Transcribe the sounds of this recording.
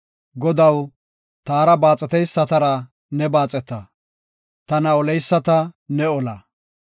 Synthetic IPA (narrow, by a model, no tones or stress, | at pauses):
ɡɔd̪ɐw | t̪aːɾɐbaːt͡sʼɛt̪ɛjsːɐt̪ɐɾɐ | nɛbaːt͡sʼɛt̪ːɐ | t̪ɐnɐɔlɛjsːɐt̪ɐnɛɔlɐ